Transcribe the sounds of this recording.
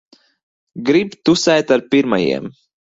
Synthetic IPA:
ɡɾibt̪usɛjt̪aɾpiɾma̰jḭɛm

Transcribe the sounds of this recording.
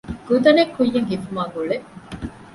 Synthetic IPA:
ɡ̥ud̪ɐnekːujːɐŋɦifumaːɡuɭe

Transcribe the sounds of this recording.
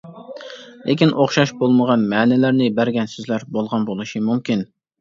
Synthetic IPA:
lʔekʲinʔoχʃɑʃbolˠməʁɑnmɛːnɪlæɾnɪbæɾɡʲɛnsyzlæɾbolˠʁɑnbolˠuʃimumkʲin

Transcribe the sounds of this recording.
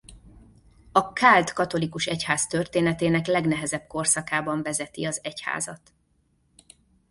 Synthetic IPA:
ɒkʰaːld̪kɒt̪o̞likuʃɛchaːst̪ørt̪eːnɛt̪eːnɛklɛɡnɛɦɛzɛb̚ko̞rsɒkaːbɒɱvɛzɛt̪iɒzɛcha̰ːzɒ̰t̪

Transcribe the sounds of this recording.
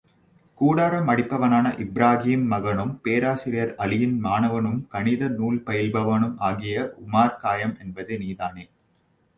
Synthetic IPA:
kuːɽaːɾɐmɐɽɪpːɐʋɐnaːnɐʔɪbɾaːɣiːmːɐɣɐnɯmpeːɾaːsɪɾɪjɐɾɐlɪjɪnmaːnɐʋɐnɯmkɐɳɪðɐnuːlpɐjɪlbɐʋɐnɯmaːɣɪjɐʔʊmaːɾkaːjɐmɛnbɐðɯniːðaːnel

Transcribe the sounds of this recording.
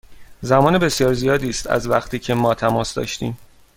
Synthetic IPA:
zæmɒːnebe̞sjɒːɾzijɒːd̪iːst̪æ̰zvæ̰χt̪ʰiːcʰe̞mɒːt̪ʰæmɒːsd̪ɒ̰ːʃt̪ḭːm

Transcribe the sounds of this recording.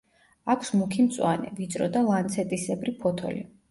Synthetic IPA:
akʷʰsmukʰimt̪sʼwanɛ̰vid̪zʼɾɔ̰d̪alˠant̪sʰɛt̪ʼisɛbɾipʰɔt̪ʰɔ̰lḭ

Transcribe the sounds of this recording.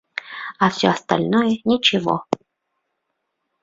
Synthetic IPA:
afsʲɔɐst̪a̰lʲnɔjɛnʲɪt͡ɕɪvɔ̰

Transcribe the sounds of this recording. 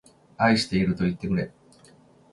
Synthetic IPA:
aiɕi̥t̪e̞iɾɯ̟t̪o̞it̪ːe̞kɯ̟ɾe̞

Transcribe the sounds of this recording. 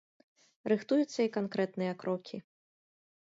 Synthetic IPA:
ɾɨxt̪ujut̪sːɐikankɾɛt̪nɨjɐkɾɔkʲʰi

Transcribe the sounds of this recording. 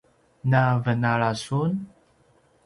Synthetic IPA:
navənaɭasun

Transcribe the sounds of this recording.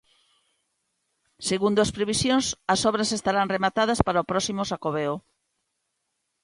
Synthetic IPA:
seɣund̪ʊɐspɾeβisjoŋsɐsɔβɾɐsest̪aɾaŋremat̪að̞ɐspaɾaopɾɔsimʊsakoβeo

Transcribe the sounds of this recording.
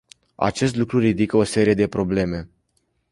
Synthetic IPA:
a̰t͡ʃe̞s̬t̪lukɾurid̪ikəo̞se̞ɾije̞d̪e̞pɾo̞ble̞me̞

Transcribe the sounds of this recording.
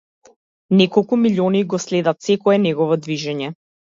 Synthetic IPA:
nɛkɔlˠkumiliɔniɡɔslɛd̪at̪sɛkɔɛnɛɡɔvɔd̪viʒɛɲɛ

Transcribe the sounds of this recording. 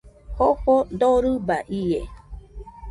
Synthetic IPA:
hopod̪oɾɯbaʔie

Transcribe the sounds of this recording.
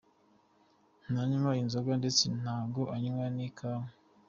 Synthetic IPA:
n̥aɲumainzoɡandet͡sen̥haːɡoʔaɲuŋɡanikʰaːme

